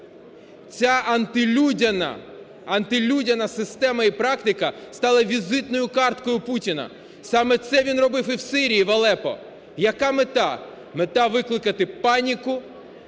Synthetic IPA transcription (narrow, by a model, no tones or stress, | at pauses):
t͡sʲaɐnt̪ɪlʲudʲɐnɐ̰ | ɐnt̪ɪlʲudʲɐnɐsɪst̪ɛmɐipɾɑkt̪ɪkɐst̪ɑlˠɐʋʲizɪt̪nɔjʊkɑrt̪kɔjʊputʲinɐ̰ | sɑmɛt̪sɛʋʲinrɔbɪfiwsɪɾʲijiʋɐlˠɛpɔ̰ | jɐkɑmet̪ɑ | met̪ɑʋɪklˠɪkɐt̪ɪpɑnʲikʊ